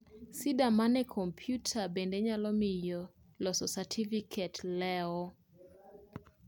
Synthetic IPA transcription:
sidamanɛkʰompʰjutʰabendeɲalɔmɪjo | lɔsɔsatʰifikʰetlɛɔ

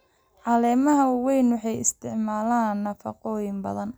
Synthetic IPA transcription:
ʕɑlɛːmɐɦɐwwɛjnwɑħɑjɪst̪ʰɪʕmaːlaːnːɐfɐ̰qɔːjɪmbɐ̰ðɐn

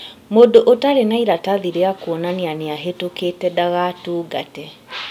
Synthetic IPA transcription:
modoʔotaɾenaiɾataðiɾeakuɔnaneaneaɦetoketɛdaɣatuːɡatɛ

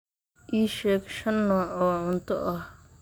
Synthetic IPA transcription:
ʔiːʃɛːɡʃɐnːɔːʕɔːʕʊnt̪ʰɔ̰ʔɐh

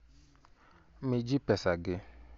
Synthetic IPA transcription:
mid͡ʒipɛsaɡɪ

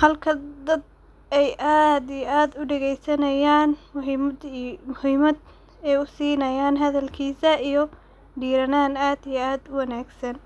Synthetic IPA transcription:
hɐlkʰɐd̪ɐd̪̚ | ɛjʔaːd̪ijʔaːd̪ʊɖɛɣɛjsɐnɐjaːnmʊɦiːmd̪mʊhiːmɐd̪ | ɛːʊsiːnɐjaːnɦɐðɐlkʰiːsɐijɞ | ɖiːɾɐnaːnaːd̪ijɛaːd̪ʊwɐnaːɡsɐn

